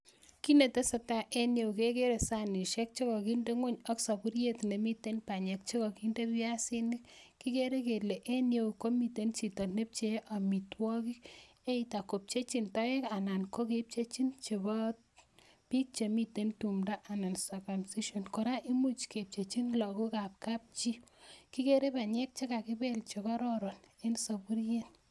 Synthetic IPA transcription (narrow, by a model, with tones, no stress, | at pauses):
ki˦ne˨te˦sɔ˨ta˨ʔe˦nje˨wke˦ke˦ɾe˨sani˨ʃe˦k̚t͡ʃe˦kɔ˨ki˦nde˦ŋo˦ɲɔ˦ksa˨pu˦ɾje˦t̪ne˨mi˦te˦npa˨ɲe˨k̚t͡ʃe˦kɔ˨ki˦nde˦pja˦si˦nikkːi˦ke˦ɾe˦ke˨le˨ʔe˦nje˨wko˦mi˨te˦nt͡ʃi˨tɔ˨ne˦p̚t͡ʃeʔa˨mi˨twɔ˦ki˦k | e˦ita˨ko˨p̚t͡ʃe˦t͡ʃi˦ntɔ˦je˦ka˨na˨nko˦kep̚t͡ʃe˦t͡ʃi˦nt͡ʃe˨bɔ˦t | pi˦k̚t͡ʃe˨mi˨te˨ntu˨mda˦ʔa˨na˨nsa˨ka˨msi˦ʃɔ˨nko˨ɾa˦ʔi˦mu˦t͡ʃke˨p̚t͡ʃe˨t͡ʃi˦nlɔ˨ku˦ka˨p̚ka˦p̚t͡ʃi˦ki˦ke˦ɾe˦pa˨ɲe˦k̚t͡ʃe˦ka˨ki˦be˦lt͡ʃe˨kɔ˦ɾɔ˦ɾɔ˨ne˦nsa˨pu˦ɾje˦n